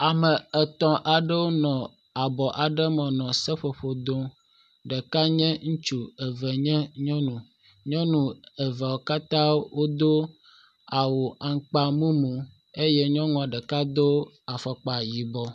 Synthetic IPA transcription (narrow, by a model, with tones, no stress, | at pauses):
a˨mɛ˨ɛ˨t̪ɔ̃˨ʔa˨ɖə˦wo˦nɔ̃˨ | a˨bɔ˨ʔa˨ɖə˦mɛ̃˨nɔ̃˨sɛ˦ɸe˨ɸo˨d̪o˦ | ɖɛ˨ka˦ɲɛ̃˦ŋũ˦t͡ʃu˦˨ɛ˨vɛ˨ɲɛ̃˦ɲɔ̃˦nũ˨ | ɲɔ̃˦nũ˨ɛ˨vɛ˨wo˨ka˦t̪ã˦wo˦d̪o˦ | a˨wo˨ʔa˨ŋ˦k͡pa˨mũ˦mũ˨ | e˦jɛ˦ɲɔ̃˦ŋɔ̃˨a˨ɖɛ˨ka˦d̪o˦ | a˨fɛ˨k͡pa˨ji˨bɔ˦